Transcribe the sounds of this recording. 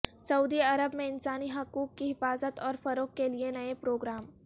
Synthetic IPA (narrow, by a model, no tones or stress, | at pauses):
sɐuːd̪iɐɾəbmẽɪnsaːniɦɐkuːkːiɦɪfaːzət̪ɔːɾfɐɾoːkːelienɐepɾoːɡɾaːm